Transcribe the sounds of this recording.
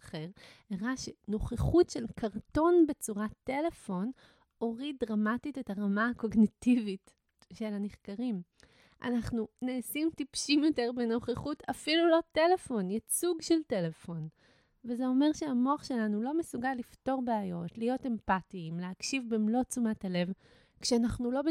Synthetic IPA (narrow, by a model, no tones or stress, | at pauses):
aχe̞ʁeʁaʃeno̞χeχutʃe̞lkaʁto̞nbe̞t͡suʁatele̞fo̞n | o̞ʁid̚dʁamatitetaʁamaako̞ɡnitivit | ʃe̞laneχkaʁim | ʔa̰naχnuneːsimtipʃimjo̞te̞ʁbeno̞χeχutafilulo̞te̞le̞fo̞njat͡suɡʃelte̞le̞fo̞n | vezeo̞me̞ʁʃeamoaχʃe̞lanulo̞mesuɡalːifto̞ʁbeajo̞tlijo̞te̞mpatiːmleakʃivbemlo̞t͡sumathale̞v | kʃeanaχnulo̞b